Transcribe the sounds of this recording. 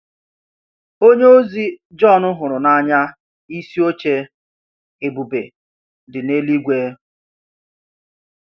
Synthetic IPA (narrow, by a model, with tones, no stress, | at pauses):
o˦ɲe˦o˦zi˦d͡ʒɔ˦˨nʊ˦ɦʊ˨ɾʊ˨na˦˨ɲa˦ | i˦si˦o˦t͡ʃe˦ | e˨bu˨be˨ | dɪ˨ne˦li˦ɡʷeː˦